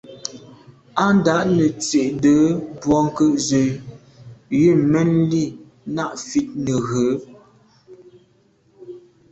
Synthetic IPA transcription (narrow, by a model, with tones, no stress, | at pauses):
a˦n˦da˨˦ʔnə˨t͡se˨ʔdə˨˦bwɔ˦ŋ˦kə˦ʔzə˨ | ji˦˨mɛ˦nli˦˨ | na˦˨ʔfi˦t̚nə˨ɣə˨˦